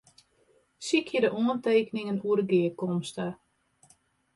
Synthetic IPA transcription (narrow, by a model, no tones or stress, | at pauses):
sikʰjədəʔoənteːkənɪŋənuəɾɡɪəkɔmstə